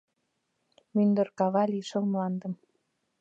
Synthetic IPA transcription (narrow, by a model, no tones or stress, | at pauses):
mynd̪ə̆rkɑβɑlʲiʃə̆lmlɑnd̪ə̆m